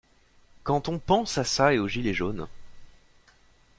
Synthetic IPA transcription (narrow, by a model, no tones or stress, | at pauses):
kɑ̃t̪ɔ̃pɑ̃sasaeoʒileʒon